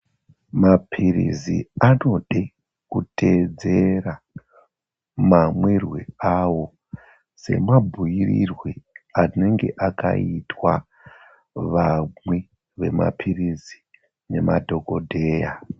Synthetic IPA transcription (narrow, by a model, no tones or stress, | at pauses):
mapʰirḭziano̞ɗe | kute̞d͡ze̞ra | mamwerweawo̞ | se̞̰mabʱujirirweane̞ŋɡe̞ʔaka̰itwa | ʋamwe | ʋe̞ma̰pʰirizi | ne̞madʱo̞ko̞dʱe̞ːja